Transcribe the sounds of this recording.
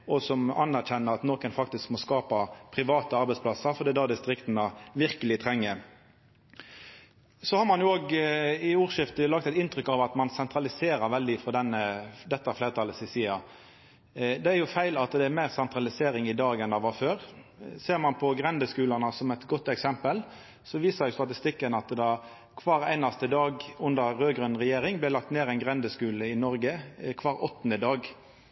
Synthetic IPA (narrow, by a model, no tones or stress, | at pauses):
ɔsɔmɑnːæɾçɛnːəɾɑt̪nɔkənfɑkt̪ɪskmɔskɑːpɑpʰɾɪʋɑːt̪əɑɾbɛɪspʰlɑsəɾfɔɾd̪ɛd̪ɑd̪ɪst̪ɾɪkt̪ənəʋɪɾkəlɪt̪ʰɾɛŋːəɾ | sɔhɑɾmɑnjʊoːɡɪuːʁʂɪft̪əlɑk̚t̪ɛt̪ɪnt̪ɾʏkːɑʋɑt̪mɑnsɛnt̪ɾɑlɪseːɾəɾʋɛld̪ɪfɔd̪ɛnːəd̪ɛt̪ːɑfleːɾət̪ʰɑlːəsɪsiːɑ | d̪ɛæɾjʊfæɪlɑt̪d̪ɛæɾmæɪʁsɛnt̪ɾɑlɪseːɾɪŋɪd̪ɑːɡɛnd̪ɑʋɑføːɾseːʁmɑnpʰɔɡɾɛnd̪əskʉːlənəsɔmɛt̪ɡɔt̪ːɛksɛmpəl | sɔʋiːsɑɾjʊst̪ɑt̪ɪst̪ɪkːənɑt̪d̪ɑ | kʰʋɑːɾæ̰ɪnɑst̪əd̪ɑːɡʉnd̪əɾːøːɡɾœnʁɛjeːɾɪŋblɪlɑkt̪neːɾæɪnɡʁɛnd̪əskʉːləɪnɔɾɡəkʰʋɑːɾɔt̪ːn̩əd̪ɑːɡ